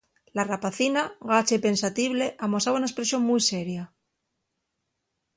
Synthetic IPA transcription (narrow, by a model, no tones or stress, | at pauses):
larapaθinaɣat͡ʃaipe̞nsat̪iβle̞ʔamosaβaunaespɾe̞sjo̞ŋmujse̞ɾja